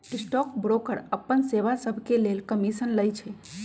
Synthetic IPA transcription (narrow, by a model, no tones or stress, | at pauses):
isʈɔkbɾokəɾəpːənseʋasəbʱkelelkəmisənləjt͡ʃʰɛ